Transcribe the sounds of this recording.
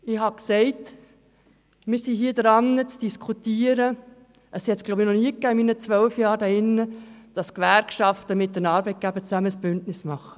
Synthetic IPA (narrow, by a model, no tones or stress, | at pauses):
ɪhɑksɛɪt | mɪːɾsiɦiːədɾɑnːət͡sd̥iskʰutiːəɾə | ʔəshɛtsɡ̥loʊbinɔniːəkːæːɪminət͡sʋœlfjɑːɾdæɪnːəd̥ɑskʋæɾkʃɑftəmɪt̚d̥ənɑːɾbɛɪt̚ɡ̥æbət͡sæməsb̥ʏntnɪsmɑχə̥